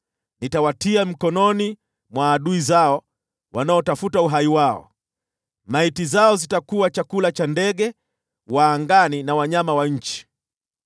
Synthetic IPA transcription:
nitawatiam̩kɔnɔni | mwaːɗuizaɔ | wanaɔtafutauɦaiwaɔ̰ | maitizaɔzitakuwat͡ʃakulat͡ʃandɛɠɛ | waːŋɡaninawaɲamawaɲ̩t͡ʃi̥

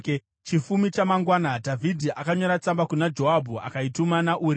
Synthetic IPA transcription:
t͡ʃifumit͡ʃamaŋɡwanadʱavʱidʱiʔakaɲo̞ɾat͡sambakunad͡ʒoɦabʱua̰kaitumanaʔuːɾi

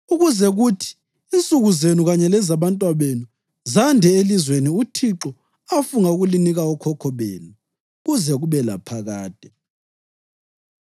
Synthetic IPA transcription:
uɣuzɛɣutʰi̥ː | nt͡sʼuɣuzenuɣaɲɛlɛzaβantʼwaβenu | zandʱɛelizweniutʰiǁɔ | afuŋauɣuliniɣaɔkʰɔkʰɔβḛːnu | ɣuzɛɣuβɛla̰pʰaɣaːd̥ʱʼɛ

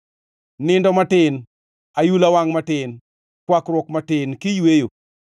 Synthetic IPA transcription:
nɪndɔmatɪn | ajulawaŋmatɪn | kwakɾwɔkmatɪnkɪjwejo

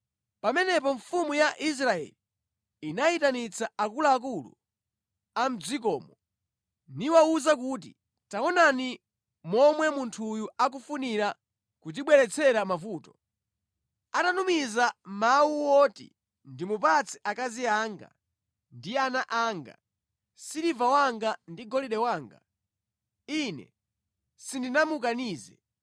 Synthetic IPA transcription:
pamɛnɛpɔɱfumujaʔis̬ɾaɛ̰liː | naitanit͡saakulaːk̬ulṵ | am̩d͡zik̬ɔːmɔ | niwauzak̬uːt̬i | tawɔnani | mɔmwɛmuntʰujuak̬ufuniɾa | kut̬iɓwɛɾɛt͡sʰɛɾamafuːtɔ | atanumizamawuwɔtḭ | ndimupat͡sʰiʔakaziaŋɡa̰ | ndianaʔaːŋɡa̰ | siɾivawaŋɡandiɡɔliɗɛwaːŋɡa̰ | inɛ̰ | sindinamuk̬aniːzɛ̰

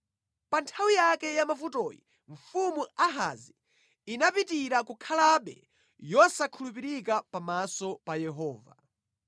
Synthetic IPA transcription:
pantʰawijakɛjamafutɔ̰jḭ | ɱ̩fumuaɦa̰zi | inapitiɾakukʰalaɓɛ̰ | jɔsakʰulup̬iɾikapamasɔpajɛɦɔːva̰

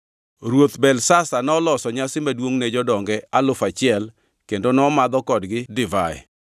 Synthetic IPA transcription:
ɾwot̪bɛlsasanɔlɔsɔɲasɪmadwoŋnɛd͡ʒɔdɔŋɡɛalʊfat͡ʃɪɛl | kendonɔmad̪ɔkɔdɡɪdɪvaɛ̰

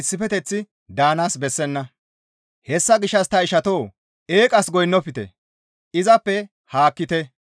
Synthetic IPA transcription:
ɪsːɪfɛt̪ɛt͡sːɪ | d̪aːnaːsbɛsːɛnːɐ | hɛsːɐɡɪʃːɐst̪ɐɪʃɐt̪o̞ː | e̞ːkʼɐsɡɔjnːɔpɪt̪ɛ̰ | ɪzɐpːɛ | haːkːɪt̪ɛ

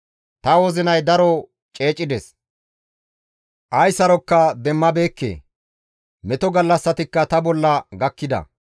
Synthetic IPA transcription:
t̪ɐwɔzɪnɐjd̪ɐɾɔ | t͡ʃʼe̞ːt͡ʃʼːɪd̪ɛs | ʔɐjsɐɾɔkːɐd̪ɛmːɐbe̞ːkːḛː | mɛt̪ɔɡɐlːɐsːɐt̪ɪkːɐt̪ɐbɔlːɐɡɐkːɪd̪ɐ̰

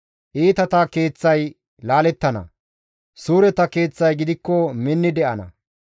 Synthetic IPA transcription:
ʔiːt̪ɐt̪ake̞ːt͡sːɐj | laːlɛt̪ːɐnɐ̰ | suːɾɛt̪ɐke̞ːt͡sːɐjɡɪd̪ɪkːɔmɪnːɪd̪ɛʔɐnɐ̰

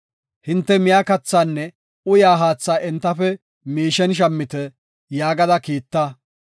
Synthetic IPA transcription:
hɪnt̪ːɛmɪjaːkɐt͡sːaːnːɛ | ʊjaːɦaːt͡sːaːʔɛnt̪ːɐfɛ | miːʃɛnʃ̬ɐmːɪt̪ɛ | jaːɡɐd̪ɐkiːt̪ːɐ

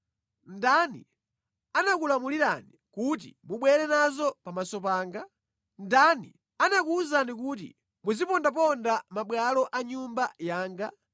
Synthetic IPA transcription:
ndanḭ | anakulamuliɾa̰nikut̬ḭmuɓwɛɾɛnazɔpamasɔpaːŋɡa | ndanḭ | anakuːzanik̬ut̬ḭ | muzipɔndap̬ɔndamaɓwalɔʔaɲumbajaːŋɡa

